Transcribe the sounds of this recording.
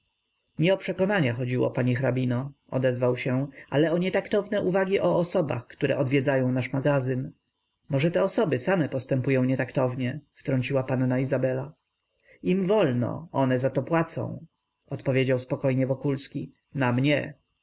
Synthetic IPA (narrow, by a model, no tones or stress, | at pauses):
ɲɛɔpʂɛkɔnaɲaxɔd͡ʑiwɔ̰paɲixɾabʲinɔ | ɔ̰d̪ɛzvawɕɛʔalɛɔɲɛt̪akt̪ɔvnɛʔuvaɡʲiʔɔːsɔba̰xkt̪uɾɛ̰ʔɔd̪vʲjɛd̪zajɔ̃w̃naʂmaɡazɘn | mɔʐɛt̪ɛɔsɔbɘsamɛpɔst̪ɛmpujɔ̃w̃ɲɛt̪akt̪ɔvɲɛft̪ɾɔɲt͡ɕiwapanːaizabɛla | imvɔlnɔ̰ɔnɛzat̪ɔpwat̪sɔ̰̃w̃ | ɔt̪pɔvʲjed͡ʑawspɔkɔjɲɛvɔkulskʲi | namɲɛ